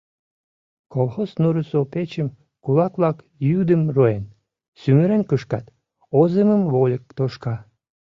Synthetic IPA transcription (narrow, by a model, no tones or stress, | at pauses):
kolˠxosnuɾəsopet͡ɕəm | kulɑkβlɑk | jyd̪əmroen | syməɾenkəʃkɑt̪ | ozeməmβolʲək̚t̪oʃkɑ